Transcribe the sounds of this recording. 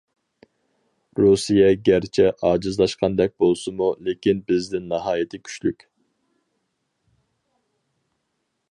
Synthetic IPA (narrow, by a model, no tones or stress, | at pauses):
ɾusijɛɡʲæɾt͡ʃʰɛʔɑːd͡ʒɨzlˠɑʃqʰɑnd̪ɛk̚ʲbolˠsɨmulekʲinbɪzd̪ɪnːɑɦɑːjit̪ʰɪkʲʰy̥t͡ʃly̰kʲ